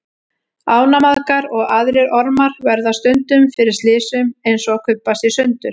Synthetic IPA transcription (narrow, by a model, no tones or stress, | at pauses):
aːwnamaðkaɾɔɣaðɾɪɾɔɾmaɾ̥vɛɾðast̪ʏnt̪ʏmfɪɾɪɾ̥st̪lɪːsʏmejnsɔakʰʏpːast̪ɪ̥sʏnt̪ʏɾ̥